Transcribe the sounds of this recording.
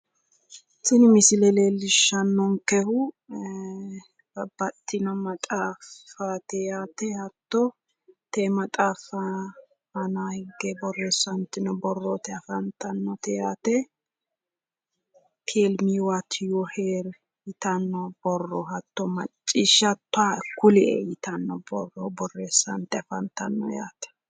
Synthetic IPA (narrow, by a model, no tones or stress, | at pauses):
sɪnmɪsɪlɛleːlːɪʃːɐnːɔŋkɛhʊ | bɐbɐt̪ːɪnɔmɐt̪ʼaːfat̪ɛjaːt̪ɛhɐt̪ːɔ | t̪emɐt̪ʼaːfɐ | mɐnaːhɪɡːebɔrːɛsɐnt̪ːɪnɔbɔrːɔt̪ɛɐfɐnt̪ʰɐnːɔt̪ɛjaːt̪ɛ | t̪ʰeːlmiːwat̪ʰjɔheːɾ | jɪt̪ɐnːɔb̥ɔrːɔhɐt̪ːɔmɐ̰t͡ʃʼːiːʃɐt̪ːʊakːʊlɛḛjɪt̪ɐnːɔbɔrːɔbɔrːeːsːɐ̰nt̪ɛɐfɐnt̪ɐnːɔ̰ja̰ːt̪ɛ̥